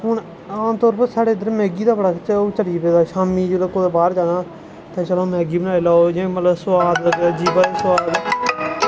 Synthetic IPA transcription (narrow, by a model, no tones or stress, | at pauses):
ɦʊɳ | aːmt̪ɔːɾpəɾsaːɽeːɪd̪əɾmɛːɡiːd̪aːbəɽaːt͡ʃoːt͡ʃəɽiːpeːd̪aːʃaːmiːd͡ʒeːləkoːd̪aːbaːɾd͡ʒaːnaː | t̪ẽːt͡ʃəlõːmɛːɡiːbənaːeːlaːojãːmət̪ləbsʋaːd̪d͡ʒiːbad̪eːsʋaːd̪